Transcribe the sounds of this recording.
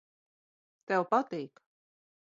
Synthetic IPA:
t̪ɛwpat̪iːk

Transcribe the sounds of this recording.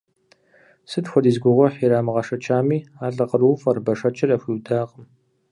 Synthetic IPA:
sɨtxʷɔdiːzɡʷʊʁʷɔħiːɾaːmɨʁɐʂɐt͡ʃʼʰaːmiːaːɮʼɐqəruːfɐrbɐʂɐt͡ʃʰʼɪrɐfʷidaːqʼəm

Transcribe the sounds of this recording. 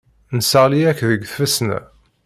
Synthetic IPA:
nsəʁliækðəɡθfəsnæ̰

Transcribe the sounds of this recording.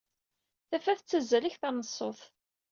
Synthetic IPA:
θæfæθət͡sːæzːæliçθɑnəsˤːoθ

